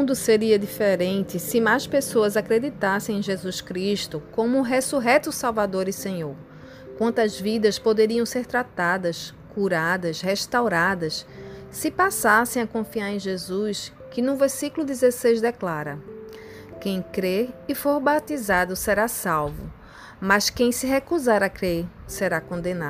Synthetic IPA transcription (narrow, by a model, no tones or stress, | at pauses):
mũd̪ʊseɾiɐd̪ifeɾẽnt̪ɪsɪmajspesoɐzakɾed̪it̪asẽj̃ẽj̃ʒezuskɾiʃt̪ʊkõmʊɦesuɦɛt̪usawvad̪oɾisẽɲoɾ | kwɐ̃nt̪ɐzvid̪ɐspod̪eɾiɐ̃w̃seɾt̪ɾat̪ad̪ɐskuɾad̪ɐsheʃt̪awɾad̪ɐs | sɪpasasẽj̃akõfiaɾẽj̃ʒezus | kɪnũveɾsikulʊd̪izesejzd̪ɛklaɾɐ | kẽj̃kɾeɾifoɾbat̪izad̪ʊseɾasawvʊ̰ | mɐskẽj̃sɪɦekuzaɾɐkɾeɾseɾakõd̪ẽna